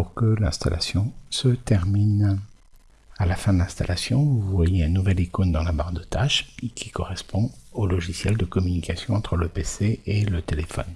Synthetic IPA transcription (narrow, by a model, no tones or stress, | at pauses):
puʁkəlɛ̃st̪a̰lʔa̰sjɔ̃sət̪ɛʁmin | alafɛ̃d̪əlɛ̃st̪alʔasjɔ̃vuvwajeɛ̃nuvɛlikond̪ɑ̃labaʁd̪ət̪aʃkʲi̥kɔʁɛspʰɔ̃olɔʒisjɛld̪əkɔmynikʲasjɔ̃ɑ̃t̪χələpeseelət̪elefɔ̰n